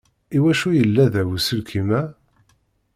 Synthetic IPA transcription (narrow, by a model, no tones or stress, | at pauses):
iwæʃujəlːæðæwsəlkʰimæ